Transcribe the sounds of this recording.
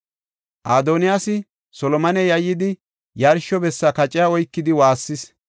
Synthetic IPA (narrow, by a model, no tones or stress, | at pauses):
ʔaːd̪oːnɪjaːsɪ | sɔlɔmɐnɛjɐjːɪd̪ɪ | jɐɾʃɔbɛsːɐkɐt͡ʃʼɪjaɔjkːɪd̪ɪwaːsːɪs